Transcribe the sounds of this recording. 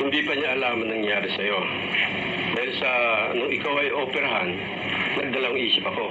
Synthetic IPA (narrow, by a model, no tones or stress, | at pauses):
hɪnd̪ipɐɲaʔɐlaːmɐnːɐŋjaːɾɪsɐjo̞ | d̪aːhɪlsɐnʊŋʔɪkawɐjʔoːpɛɾɐɦanː | ɐɡ̚d̪ɐlɐwɐŋʔiːsɪpɐko̞